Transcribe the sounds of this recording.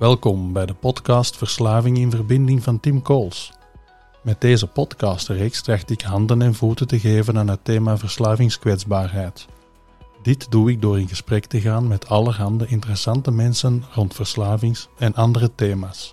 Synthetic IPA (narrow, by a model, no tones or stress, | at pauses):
ʋɛlˠkɔmbɛjdəpɔtkɑːstfərslaːvɪŋɪnvərbɪndɪŋvɑntɪmkoːlˠs | mɛt̚deːzəpɔtkɑːstreːkstraxtəɪkɦɑndənɛnvutətəɣeːvənaːnɦəteːmaːvərslaːvɪŋskʋɛdzbaːrɦɛjt | d̥ɪtduɪk̚doːrɪnɣəsprɛktəɣaːnmɛtʰɑlˠərɦɑndəɪntərəsɑntəmɛnsənrɔntfərslaːvɪŋsɛnʔɑndərəteːmaːs